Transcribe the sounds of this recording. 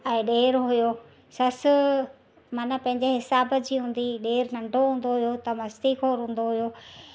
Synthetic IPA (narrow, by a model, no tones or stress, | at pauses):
ɛ̃ːɗeːɾɦʊjo | sɐs | maːnapɐ̃ɦɪ̃ɲd͡ʑeɦɪsaːbəd͡ʑiːɦũːn̆d̪iɗeːɾnɐ̃ɳɖʱoɦũːn̆d̪oɦʊjot̪ɐmɐst̪ikʰoːɾɦũːn̆d̪oɦujoː